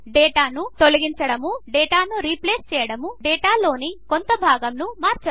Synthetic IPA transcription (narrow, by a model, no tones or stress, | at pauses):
ɖɛːʈaːnut̪o̞lɐɡiɲt͡ʃɐɽɐmuɖɛːʈaːnuɾipleːst͡ʃɛːjɐɽɐmuɛːʈaːlo̞ːnikont̪ɐbʱaːɡɐmnumaːɾt͡ʃɐ